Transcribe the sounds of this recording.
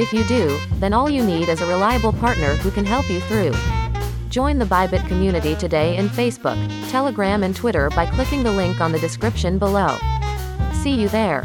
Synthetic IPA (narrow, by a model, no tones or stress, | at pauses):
ɨfjɨdʉðɨ̃nɔlˠjɨniɾɨzəɹɪlaɪəbl̩ˠpʰɑɹtⁿnə˞hukɨ̃nɦɛlˠpjɨθɹʉ̥ | d͡ʒɔ̃ɪ̃nðəbaɪbɨt̚kʰɨmjʉnɨɾitɨdeɪɨ̃nfeɪsb̥ʊ̰k̚ | tʰɛlˠəɡɹæ̃mɨ̃ntʰw̥ɪɾə˞baɪkʰl̥ɪkɪ̃ŋðəlɪ̃ŋkn̩ðɨdɨskɹɪpʃɨ̃nbəloʊ | sijɨðə˞